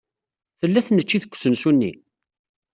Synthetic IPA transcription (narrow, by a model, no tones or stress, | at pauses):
θəlːæθnət͡ʃːiθə̥kʷːsənsunːḭ